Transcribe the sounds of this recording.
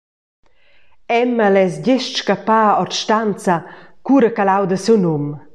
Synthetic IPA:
ɛməlɛsɟɪʃʃkapaːɔrtʃtant͡sakuɾəkalawd̪əsunum

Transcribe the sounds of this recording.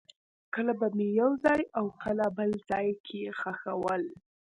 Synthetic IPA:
kəlabamejawzɑjawkʰəlabəlz̥ɑjkʰexaxawəl

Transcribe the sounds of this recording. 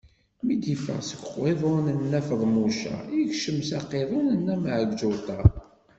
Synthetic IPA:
mid̪ifə̰ʁsəɡʷqːeðˤʊnənːæfəðˤmuʃæ̰içʃəmsɑqːeðˤonənːæmʕəɡd͡ʒʊlt̪ˤɑ

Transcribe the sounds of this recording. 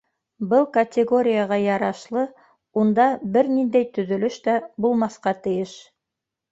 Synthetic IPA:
bɤlˠkɐt̪ʲeɡoɾʲɪjaʁɑjɑɾɑʃlˠɤ | und̪ɑbɘɾnind̪æjt̪ɵ̆ðɵ̆lɵʃt̪æbulˠmɑθqɑt̪ɘ̆jɘʃ

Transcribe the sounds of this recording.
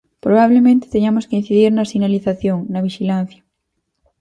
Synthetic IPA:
pɾoβaβ̞lemẽnt̪e̥t̪eɲamoskein̟θiðiɾnɐsinaliθaθjoŋnɐβiʃilan̟θja

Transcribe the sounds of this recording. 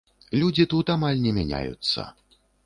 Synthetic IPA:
lʲud͡zʲit̪ut̪amalʲnʲɛmʲanʲa̰jṵt̪sːɐ̰

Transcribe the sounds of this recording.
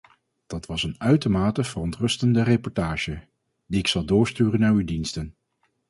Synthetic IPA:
d̥ɑtʋɑsənœɥtəɹmaːtəv̥ərɔntrɵstəndərepɔɹtaːʒə | diɪksɑlˠdʊːɹstyːrənːaːɹydinstən

